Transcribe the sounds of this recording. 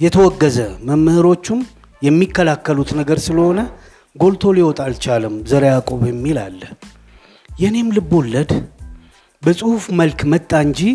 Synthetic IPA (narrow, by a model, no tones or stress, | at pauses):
jɛt̪ʰəwɔɡːəzəməmːɨhɨɾo̞t͡ʃːum | jɛmːikːəlakːəlut̪nəɡəɾsɨləho̞nə | ɡo̞lt̪ʰo̞liwɔt̪ʼalt͡ʃaləmzəɾejakʼo̞βjɛmːila̰lːə | jɛhne̞mlɨbːulːəd̪ | bəsʼɨhufməlkmət̪ʼːaɨɲd͡ʒi